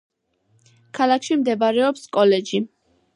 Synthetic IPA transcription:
kʰalˠakʰʃimd̪ɛbaɾɛɔpskʼɔlɛd͡ʒi

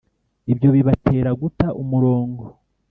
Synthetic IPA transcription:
ibjo̞βiβatʰe̞ːɾaɡutaʔumuɾo̞ːŋɡo

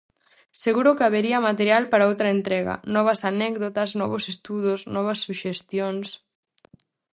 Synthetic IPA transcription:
seɣuɾʊkeaβeɾiɐmat̪eɾjalpaɾaowt̪ɾɐent̪ɾɛɣɐ̰nɔβ̞ɐsanɛkðot̪ɐsnɔ̰βʊsest̪uðʊsnɔβ̞ɐsːuʃest̪jons

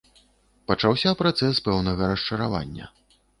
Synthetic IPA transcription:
pɐt͡ʂawsʲɐpɾat̪sɛspɛwnɐɣɐɾɐʂt͡ʂɐɾava̰nʲːɐ̰

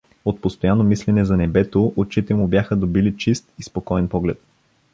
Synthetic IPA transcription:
ot̪̚post̪ojanːomislɛnɛzɐnɛbɛt̪oʔot͡ʃit̪ɛmʊbjaxəd̪obilit͡ʃist̪ispokɔɛnpɔɡlɛt̪

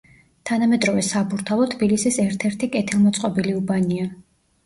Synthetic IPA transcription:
t̪ʰanamɛd̪ɾɔvɛsabuɾt̪ʰalˠɔt̪ʰbilisisɛɾt̪ʰɛɾt̪ʰikʼɛt̪ʰilˠmɔt̪sʼqʼɔbiliubania

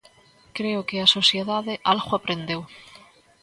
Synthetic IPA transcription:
kɾeʊkɪasosjeðaðɪʔalɣoapɾend̪ew

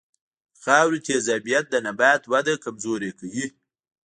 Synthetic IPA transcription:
xɑːwɾit̪ʰezabijat̪̚d̪ənabaːt̪wad̪akamzoɾekawi

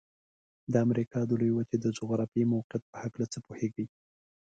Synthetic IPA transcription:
d̪əamɾikɑd̪əlojwat͡ʃed̪əd͡ʒʊɣɾɑfimawqɪjat̪̚pə̥haklat͡səpoheɡi

